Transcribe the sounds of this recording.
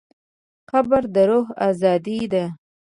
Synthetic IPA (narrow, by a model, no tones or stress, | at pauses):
xabaɾd̪əɾoɦɑzɑd̪id̪a